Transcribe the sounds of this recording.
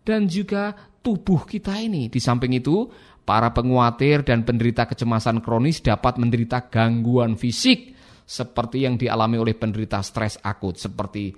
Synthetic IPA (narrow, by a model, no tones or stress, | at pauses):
d̥and͡ʒuɡat̪ub̥ʊhkit̪ainid̥isampɪŋit̪u | pa̰ɾapəŋuat̪ɪrdanpəndəɾit̪akət͡ʃəmasankɾonɪsd̥apat̪̚məndəɾit̪aɡ̥aŋɡuanfisɪk̚ | səpərt̪ijaŋdia̰lamiolɛhpəndəɾit̪ast̪ɾɛsa̰kʊt̪̚səpərt̪i